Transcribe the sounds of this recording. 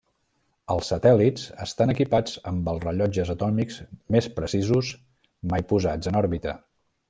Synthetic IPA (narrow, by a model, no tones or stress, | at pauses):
əlˠsːət̪ɛliz̥əst̪anəkipad͡zəmbəlˠzrəʎɔd͡ʒəzət̪ɔmikzmespɾəsizus | majpuzad͡zənɔɾβit̪ə